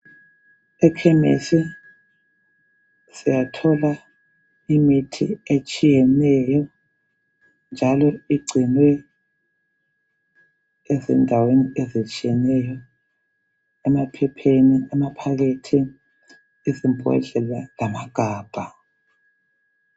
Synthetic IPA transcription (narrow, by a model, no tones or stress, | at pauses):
ɛkʰɛmḛsi | sijatʰɔla | imitʰiet͡ʃʼijɛnɛjɔ | nd͡ʒʱalɔiɡ͡ǀʱinwɛ | ɛzɛndʱaweniezit͡ʃʼijɛnɛjɔ | ɛmapʰɛpʰeniɛmapʰaɣetʰiː | zimbʱɔ̰ɮɛlalamaɡ̥ʱaːb̥ʱa